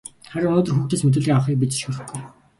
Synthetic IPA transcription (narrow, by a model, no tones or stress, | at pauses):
χæɾʊnʊːt̪ɞrxuːxt̪eːsmet̪̬ɘ̆ːɮɣiːŋawχiːk̚pit͡ɕi̥ʃxɵɾɵ̆xɡuj